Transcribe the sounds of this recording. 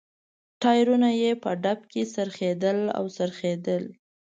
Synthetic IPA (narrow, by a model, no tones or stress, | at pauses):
ʈɑjɾunajepəɖap̚kesəɾxed̪əla̰wsəɾxed̪əl